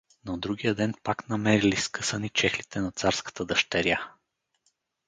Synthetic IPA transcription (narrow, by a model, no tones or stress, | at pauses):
nɐd̪ɾuɡʲijəd̪ɛnpaknɐmɛɾiliskɤsənit͡ʃɛxlit̪ɛnɐt̪saɾskə̥t̪əd̪ɐʃt̪ɛɾja